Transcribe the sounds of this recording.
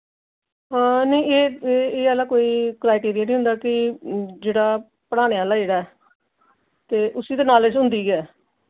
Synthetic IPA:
ɦãːnəĩeːeeːəlaːkoːiːkɾaːɪʈiːɾijanĩːɦʊ̃nd̪aːkɪd͡ʒeːɽaː | pəɽ̃aːɽ̃eaːlaːd͡ʒeːɽaːɛː | t̪eːʔʊsiːd̪eːnaːlet͡ʃɦʊ̃nd̪iːɡɛː

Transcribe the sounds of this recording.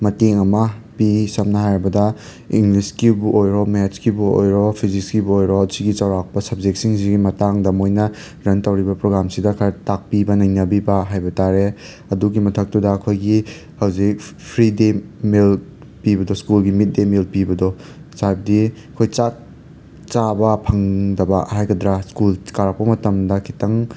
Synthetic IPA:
mɐteŋɐmɐpisɐmnɐɦajɾbɐdɐ | iŋɡliskibuʔojɾɔmet͡ʃkibuo̰jɾɔpʰiziskibuojɾɔsiɡit͡ʃawɾak̚pɐsɐb̚d͡ʒek̚siŋziɡimɐtaŋdɐmojnɐ | ɾɐntɐwɾibɐpɾoɡɾamsidɐkʰɐɾtak̚pibɐnɐjnɐbibɐɦajbɐtaɾe | ɐduɡimɐtʰɐk̚tudɐːkʰojɡi | hɐwzik̚pʰɾidemil | pibɐdɔskulɡimit̚demilpibɐdɔsajb̚diɐkʰojt͡ʃa | t͡ʃabɐpʰɐŋdɐbɐ̰hajɡɐdɾaskulkaɾɐk̚pɐmɐtɐmdɐkʰitɐŋ

